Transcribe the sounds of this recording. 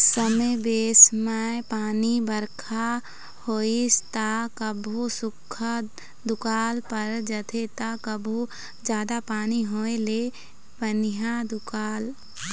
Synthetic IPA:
səməbeːsmaepaːnibəɾkʰa | hoːist̪akəbʱusʊkʰa | d̪ʊkaːlpəɾd͡ʒət̪ʰet̪akəbʱu | d͡ʒjaːd̪apaːniɦoːele | bənijad̪ʊkaːl

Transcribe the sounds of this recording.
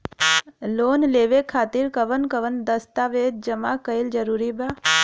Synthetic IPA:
loːnleːʋekʰaːt̪iɾkəʋənkəʋənd̪əst̪aʋeːd̪̚d͡ʒəmakəɪld͡ʒəɾuːɾibaː

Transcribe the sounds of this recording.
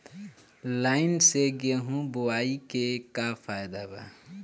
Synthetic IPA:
laɪinseɡeɦũbuwaikekapʰajd̪aba̰

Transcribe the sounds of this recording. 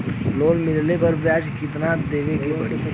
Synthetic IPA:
loːlmɪllepɐɾbjaːd͡ʒkɪt̪nad̪eːʋekepɐɽḭː

